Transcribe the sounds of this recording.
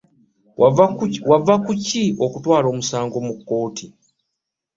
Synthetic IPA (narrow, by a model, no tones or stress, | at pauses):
wavakucio̞kutwaːɾo̞ːmusaːŋɡo̞mukːo̞ːtʰi